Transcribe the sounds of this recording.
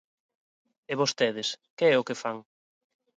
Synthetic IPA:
eβost̪eð̞ɪskeɛʊkefaŋ

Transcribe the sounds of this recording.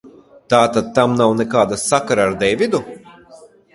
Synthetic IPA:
t̪aːt̪ad̪̚t̪amnawnɛkaːd̪asakaɾaːɾd̪ɛjvʲid̪u

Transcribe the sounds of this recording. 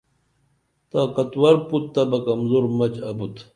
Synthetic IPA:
t̪akɐt̪wɐɾput̪ːɐbɐkɐmzoɾmɐt͡ɕɐbut̪

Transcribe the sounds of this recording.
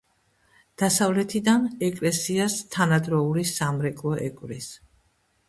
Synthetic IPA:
d̪̥asavlɛt̪ʰid̪anɛkʼlɛsiast̪ʰanad̪ɾɔulisamɾɛkʼlˠɔʔɛ̰kʼvɾis

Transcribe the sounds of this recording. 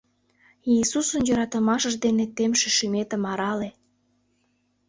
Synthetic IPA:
iːsusənjøɾɑt̪əmɑʃəʒd̪enet̪emʃĕʃymet̪ə̆mɑɾɑle

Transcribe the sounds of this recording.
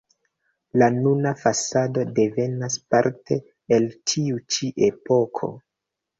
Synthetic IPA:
lanunafasado̞de̞ve̞naspaɾte̞ː | ltʰiut͡ʃiʔepo̞kʰo̞̰

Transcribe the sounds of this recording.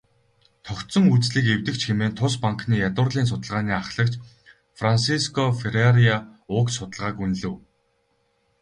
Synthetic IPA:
t̪ʰɔkt̪sɞ̆ŋut͡sɮiːkewt̪ɘ̆kt͡ɕxemeːnt̪ʰʊspaŋkniːjat̪ʊrɮiːns̬ʊt̪ə̆ɮʁaːniːaχɮə̆kt͡ɕ | fransiskʰɔfeɾaɾiaʊksʊt̪ə̆ɮʁaːkunɮɘ̆w

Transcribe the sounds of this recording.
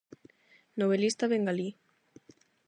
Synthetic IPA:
noβ̞elist̪aβeŋɡali

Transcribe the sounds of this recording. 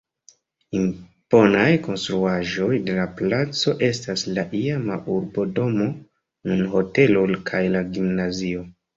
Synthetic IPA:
im | po̞najko̞nstɾuaʒo̞jde̞laplat͡so̞ʔe̞staslaʔiamauɾbo̞do̞mo̞ | nunho̞te̞lulkʰajlaɡimnazio̞

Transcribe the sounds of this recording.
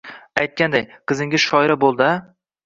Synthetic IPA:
ajt̪̚kʲand̪ajqʰɨzɪŋɡʲɪzʃɒɪɾabolˠd̪a

